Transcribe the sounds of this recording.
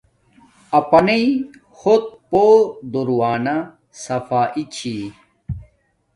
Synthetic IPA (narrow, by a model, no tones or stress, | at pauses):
ɐpɐnei | xot̪̚pod̪uɾwaːna | sɐfaːʔit͡ɕʰi